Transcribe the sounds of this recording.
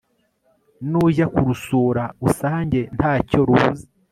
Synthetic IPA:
nuʒakuɾusuːɾausaːɲɟe̞nhaːcoɾuːzi

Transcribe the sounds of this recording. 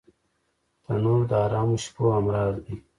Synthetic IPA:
t̪ɐnoːɾd̪aːɾaːmuɕpoːɐmɾaːzd̪i

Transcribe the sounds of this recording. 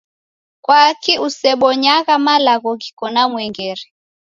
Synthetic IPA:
kwakiusɛɓɔɲaɣamalaɣɔkikɔnamwɛŋɡɛɾɛ

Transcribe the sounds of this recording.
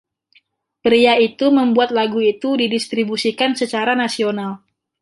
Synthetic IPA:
pɾiait̪uməmbuat̪̚laɡuit̪udidist̪ɾibusikansət͡ʃaɾanasional

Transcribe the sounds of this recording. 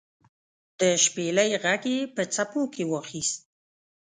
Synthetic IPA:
d̪̥əʃpeləjɣaɡepət͡sapokʰewəxist̪̚

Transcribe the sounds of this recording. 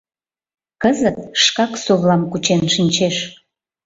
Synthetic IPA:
kəzət̪̚ʃkɑksoβlɑmkut͡ɕenʃinʲt͡ɕeʃ

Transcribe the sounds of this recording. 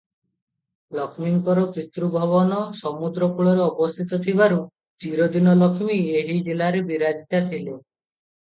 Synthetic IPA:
lɔkʰmiŋkɔɾɔpit̪ɾubʱɔβɔnɔsɔmud̪ɾɔkuɭɔɾeɔbɔst̪ʰit̪ɔt̪ʰibaɾu | t͡ʃiɾɔd̪inɔlɔkʰmieɦid͡ʒilaɾebiɾad͡ʒit̪at̪ʰile

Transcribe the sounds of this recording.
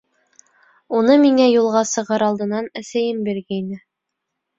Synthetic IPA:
unɤmiŋæjulˠʁɑsɤ̆ʁɤɾɑlˠd̪ɤ̆nɑnæsæjɘmbiɾɡæinɘ

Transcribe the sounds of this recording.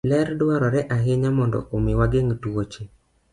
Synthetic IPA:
lɛɾdwɔɾɔɾɛʔaɦɪɲamɔndɔ̰ʔomɪwaɡeŋtwot͡ʃe

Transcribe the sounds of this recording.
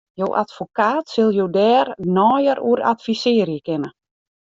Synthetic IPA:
jowʔa̰tfokaːtsɪlˠjoːdɛːrnɔːjəɾṵəɾa̰tfisɪːəɾjəkɪnə

